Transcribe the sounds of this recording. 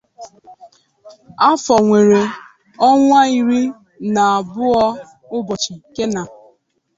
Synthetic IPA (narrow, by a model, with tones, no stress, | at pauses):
a˦fɔ˨ŋʷe˨ɾe˨ | ɔ˦ŋʷa˦i˨ɾi˦ | na˨a˨bʊ˦ɔ˦ | ʊ˦bɔ˨t͡ʃi˨ke˦na˨